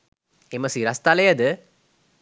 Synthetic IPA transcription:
eməsiɾɐst̪ɐlɐjɐd̪ɨ

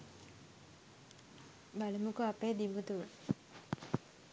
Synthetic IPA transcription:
baləmukuapeːd̪imut̪uʋə

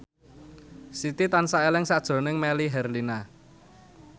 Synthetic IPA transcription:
sit̪it̪ansaelɪŋsad̥ʒ̥o̤nɪŋmeliɦɛrlina

